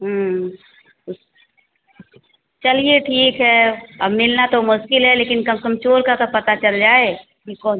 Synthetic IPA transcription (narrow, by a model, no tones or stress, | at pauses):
ɦə | t͡ʃɐlieʈʰiːkɦɛːɐbmɪlnat̪omʊʃkɪlɦɛleːkɪnkɐmkəmt͡ʃoːɾkakapɐt̪at͡ʃɐld͡ʒaːe | kikɔː